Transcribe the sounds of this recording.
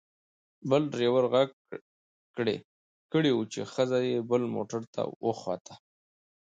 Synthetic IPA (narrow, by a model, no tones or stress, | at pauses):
bəlɖɾewəɾɣaɡ | kɽḛ | kəɽewut͡ʃḛxəzajebəlmo̰ʈaɾt̪ʰa̰wʔəxwa̰t̪ʰa